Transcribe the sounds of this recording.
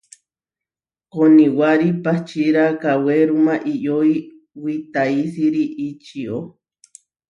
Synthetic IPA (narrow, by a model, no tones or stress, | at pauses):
koniwaɾipaht͡ʃiɾakaweɾumaʔijoi | wit̪aisiɾiʔit͡ʃio